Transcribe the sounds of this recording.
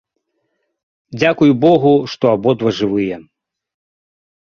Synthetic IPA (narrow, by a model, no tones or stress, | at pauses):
d͡zʲakujubɔɣuʂt̪ɔabɔd̪vɐʐɨvɨjɛ